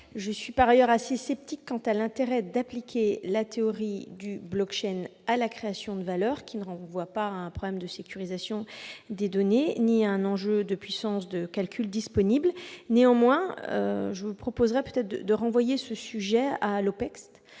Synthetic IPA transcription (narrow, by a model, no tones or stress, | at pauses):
ʒəsɥipaʁajœʁasesɛp̚t̪ikːɑ̃t̪alɛ̃t̪eʁɛd̪aplikʲelat̪eɔʁid̪yblɔkʃɛnalakχeasjɔ̃d̪əvalœʁkʲinəʁɑ̃vwapaɛ̃pχɔblɛmd̪əsekʲyʁizasjɔ̃d̪ed̪ɔneniɛ̃nɑ̃ʒød̪əpɥisɑ̃sd̪əkalkʲʰyld̪ispɔniblneɑ̃mwɛ̃ø̰ʒəvupχɔpozʁɛpøt̪ɛt̪χd̪əʁɑ̃vwajesəsyʒɛalopɛkst̪